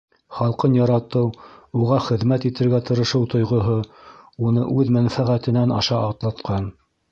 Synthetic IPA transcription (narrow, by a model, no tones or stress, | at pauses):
χɑlˠqɤnjɑɾɑt̪ɤwuʁɑχɘ̆ðmæt̪it̪ɘ̆ɾɡæt̪ɤ̆ɾɤ̆ʃɤwt̪ŏjʁŏɦounɤ̰ʔʉðmænfæʁæt̪ɘ̆nænɑ̰ʃɑɑt̪lˠɑt̪qʰɑn